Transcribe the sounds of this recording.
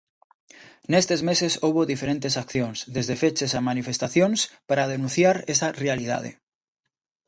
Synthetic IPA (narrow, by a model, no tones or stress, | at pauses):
nest̪ezmesesowβoðifeɾent̪esakθjõŋsðezðefet͡ʃesamanifest̪aθjonspaɾað̞enũnθjaɾesarealið̞a̰ð̞ḛ